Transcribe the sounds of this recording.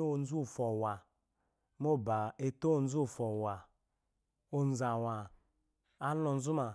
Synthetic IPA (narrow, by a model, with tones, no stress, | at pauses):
o˨n̩˦zu˦˨fɔ˨wa˨ | mo˦˨ba˨e˨to˦o˨n̩˦zu˦˨fɔ˨wa˨ | o˨n̩˦˨za˨wa˨ | a˦lɔ˨n̩˦zu˦ma˨